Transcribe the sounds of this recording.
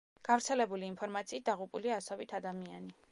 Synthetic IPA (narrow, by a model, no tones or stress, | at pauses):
ɡ̥avɾt̪sʰɛlɛbuliːnpʰɔɾmat̪sʰiːt̪̚d̪aʁupʼuliaːsɔbit̪ʰad̪amia̰ni